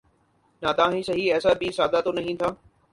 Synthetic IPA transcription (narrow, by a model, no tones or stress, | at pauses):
naːt̪ãːɦĩsɐɦiɛːsabisaːd̪at̪onɐɦĩːnt̪ʰaː